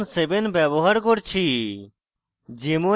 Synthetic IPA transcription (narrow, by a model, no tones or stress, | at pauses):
nsebenbɛboɦaɾkoɾt͡ɕʰi | d͡ʑemo